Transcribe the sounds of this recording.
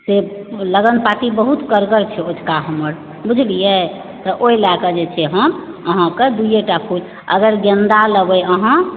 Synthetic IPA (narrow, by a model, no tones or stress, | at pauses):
se | ləɡənpat̪ibəɦut̪kəɾɡəɾt͡ʃʰɛod͡ʒʰkaɦəməɾ | bud͡ʒʱlijɛ | t̪ɔʔoilakəd͡ʒet͡ʃʰɛɦəm | əɦãkəd̪ujeʈapʰud͡ʒ | ə̰ɡəɾɡə̃nd̪aləbəəɦã